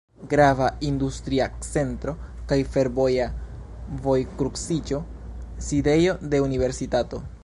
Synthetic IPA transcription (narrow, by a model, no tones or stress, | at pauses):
ɡɾavaindustɾiat͡se̞ntɾo̞kajfe̞ɾbo̞ja | vo̞jkɾuksid͡ʒo̞side̞jo̞de̞unive̞ɾsitato̞